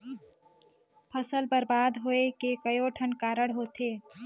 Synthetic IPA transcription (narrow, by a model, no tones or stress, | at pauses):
pʰəsəlbəɾbaːd̪ɦoekekəjoʈʰənkaːɾəɽɦoːt̪ʰeː